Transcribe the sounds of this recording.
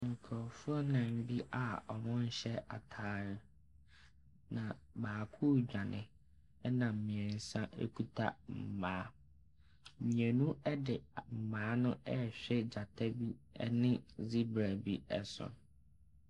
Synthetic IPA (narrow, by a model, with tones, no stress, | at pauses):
ŋ̩˨kʰɔ˨fʊ˦ɔ˦nã˨m̩˦bi˦ʔa˨ɔ˨mʊ̃˦n̩˦ɕɛ˦a̰˨tʰaː˦ɾɪ˦ | nã˨ | baː˨kʰʊ˦d͡ʑᶣa˨nɪ̰̃˨ | ɛ˦nã˨m̩˨mĩ˨ɛ̃˨n̩˨sã˦ʔḛ˦kʰu˦tʰa̰˦m̩˨mãː˨˦ | mĩ˨e˨nũ˦ɛ˦dɪ˨m̩˨mãː˨˦nʊ̃˦ʔɛ˦ɕᶣɛ˦d͡ʑa˨tʰa˦bi˦ɛ̰˦nɪ̃˦zi˦bɾa˨bi˦ɛ˦sʊ̰̃˨n